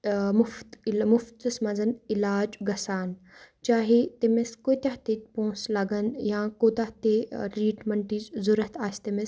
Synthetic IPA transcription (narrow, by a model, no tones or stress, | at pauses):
mʊft̪mʊft̪ɨsmɐnzɐnilaːd͡ʒɡɐsaːn | t͡ʃaːɦet̪emeskoːt̪aɦt̪et̪̚põːslɐɡɐnjãːkoːt̪aɦt̪eɾiːʈmɐɳʈiːt͡ʃzuɾɐt̪ʰaːst̪emes